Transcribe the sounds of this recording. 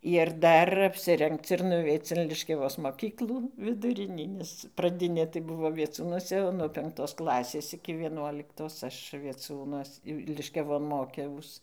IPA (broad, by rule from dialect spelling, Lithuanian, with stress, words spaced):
ɪr ˈdɐr ɐpʲsʲɪˈrʲɛŋkt͡s ɪr nʊˈʋʲɛɪt͡s ɪn lʲɪʃʲkʲɛˈʋoːs moːˈkʲiːklˠuː ʋʲɪdʊˈrʲɪnʲiː nʲɛs prɐˈdʲɪnʲeː tɐɪ ˈbʊʋoː ʋʲiɛˈt͡suːnuɔsʲɛ nuɔ pʲɛŋkˈtoːs ˈklˠɑːsʲeːs ɪkʲɪ ʋʲiɛˈnuɔlʲɪktoːs ˈɐʃ ʋʲiɛˈt͡sʲuːnuɔs jɛʊ lʲɪʃʲkʲɛˈʋoːn ˈmoːkʲɛʊs